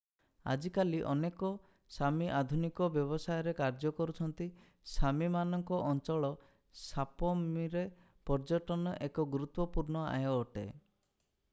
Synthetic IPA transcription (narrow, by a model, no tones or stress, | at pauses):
a̰d͡ʒikaliʔɔ̰nekɔ | samiʔad̪ʱunikɔbjɔβɔsajɔɾekaɾd͡ʒɔkɔɾut͡ʃʰɔnt̪i | samimanɔŋkɔʔɔnt͡ʃɔɭɔ | sapɔmiɾe | pɔɾd͡ʒɔʈɔnɔʔekɔɡɾut̪wɔpuɾnɔa̰ɦɔːʈḛ